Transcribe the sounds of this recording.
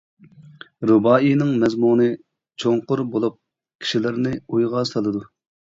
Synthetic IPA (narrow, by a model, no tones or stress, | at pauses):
ɾubɑːinɨŋmɛzmunɨ | t͡ʃʰoŋqʊɾbolˠup̚ | kʲʰi̥ʃilɪɾnɪujʁɑsɑlˠɨd̪u